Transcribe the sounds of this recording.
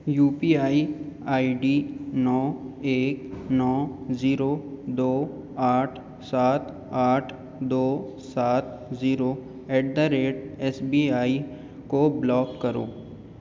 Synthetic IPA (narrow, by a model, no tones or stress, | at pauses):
juːpiːaːiaːiɖiːnɔːeːknɔːziːɾoːd̪oː | aːʈʰ | saːt̪ | aːʈʰ | d̪oːsaːt̪̚ | ziːɾoː | ɛːɖ̚d̪əɾeːʈɛːsbiːaːi | koblɔːkːɐɾo̰ː